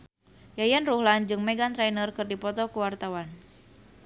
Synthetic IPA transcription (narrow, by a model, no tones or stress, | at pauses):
jajanruhland͡ʒɨŋmɛɡant̪ɾajnərkɨrdipɔt̪ɔkuwart̪awan